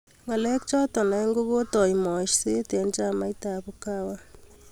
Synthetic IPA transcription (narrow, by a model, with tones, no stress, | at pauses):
ŋa˨lɛ˦kt͡ʃɔ˦tɔ˨na˨˦ŋɡo˦βo˦tɔ˨imɔ˨ʃse˦te˨˦nt͡ʃa˦ma˦jta˨bu˦ka˦wa˦